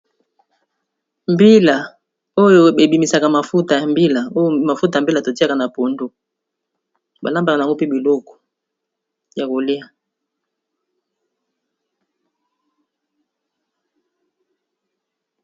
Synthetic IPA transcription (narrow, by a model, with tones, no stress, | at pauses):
mbi˦la˨ | o˦jo˨be˨bi˨mi˨sa˨ka˨ma˨fu˦ta˨ja˨mbi˦la˨o˦jo˦ma˨fu˦t̬a˨m˨bi˦la˨to˨ti˦a˦ka˨na˨po˨ndo˦ | ba˨la˦mba˨ka˨a˨ŋɡo˦pe˦bi˨lo˦kɔ̥˨ | ja˨ko˨le˦a˨